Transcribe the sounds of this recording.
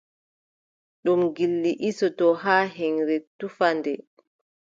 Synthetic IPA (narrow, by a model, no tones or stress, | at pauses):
ɗumɡilːiʔisɔtɔɦaːɦɛŋɾɛtufandɛ